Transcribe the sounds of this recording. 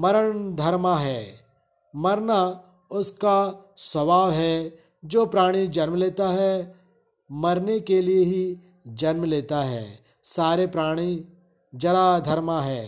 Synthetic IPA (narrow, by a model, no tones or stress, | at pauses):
mɐɾəɽ̃d̪ʱɐɾmaɦɛː | mɐɾna | ʊskasɐbaːʋɦɛ | d͡ʒoːpɾaːɽ̃id͡ʒɐɾmleːt̪aɦɛ | mɐɾnekelieɦi | d͡ʒɐɾmleːt̪aɦɛ̰ː | saːɾepɾaːɽ̃i | d͡ʒɐɾad̪ʱɐɾmaɦɛː